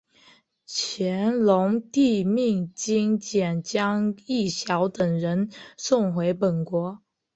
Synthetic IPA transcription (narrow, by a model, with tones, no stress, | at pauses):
t͡ɕʰjɛ˧˥nlʊ˧˥ŋt̪i˥˧mi˥˩ŋt͡ɕi˥ŋt͡ɕjɛ˨˩nt͡ɕjɑ˥ŋi˥˩ɕjɑ˧˥ʊt̪ə˨˩ŋɻə˧˥nsʊ˥˩ŋxwe˧˥ɪpə˨˩nkwɔ˧˥